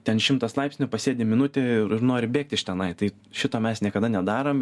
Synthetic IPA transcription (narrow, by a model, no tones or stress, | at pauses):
t̪ʲɛnʃʲɪmt̪ɐslˠɑɪpʲsʲnʲʊpɐsʲeːd̪ʲɪmʲɪnʊt̪ʲeɪɪɾnoːɾʲɪbʲeːk̚t̪ʲɪʃʲt̪ʲɛnɐɪt̪ɐɪ | ʃʲɪt̪oːmʲɛsnʲiɛkɐd̪ɐnʲɛd̪ɑːɾom